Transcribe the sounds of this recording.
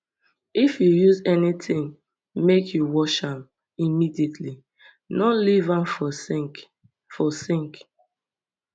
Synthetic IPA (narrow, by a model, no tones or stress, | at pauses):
ifjujuzɛnitʰɪ̃ŋ | mekʰjuwɔʃãm | imidietʰli | nɔlivãnfɔsk | fɔsĩŋk